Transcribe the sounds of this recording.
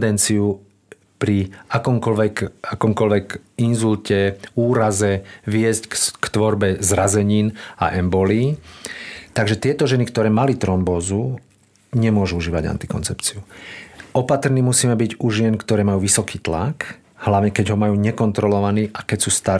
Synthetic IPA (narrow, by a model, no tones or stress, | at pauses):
d̪ɛnt͡siu | pɾiakɔmkɔlʋɛkakɔmkɔlʋɛkinzulcɛuːɾazɛʋɪɛzckkt̪ʋɔɾbɛzɾazɛɲiːna̰ʔɛmbɔliː | t̪aɡʒɛt̪ɪɛt̪ɔʒɛnikt̪ɔɾɛːmalit̪ɾɔmbɔːzu | ɲɛmʊɔʒuuʒiːʋa̰ɟa̰nt̪i̥kɔ̰nt͡sɛpt͡siu | ɔpat̪rniːmusiːmɛbiɟuʒɪɛnkt̪ɔɾɛːmajuːʋisɔkiːt̪la̰k | hlaʋɲɛkɛɟɦɔmajuːɲɛkɔnt̪ɾɔlɔʋaniːʔakɛcsuːst̪a